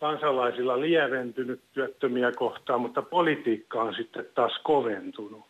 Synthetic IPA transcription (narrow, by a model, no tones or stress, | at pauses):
kɑnsɑlɑisilːɑliæʋent̪ynyt̪t̪yæt̪ːømiækoht̪ɑːmmut̪ːɑpolit̪iːkːɑonsit̪ːet̪tɑːskoʋent̪unu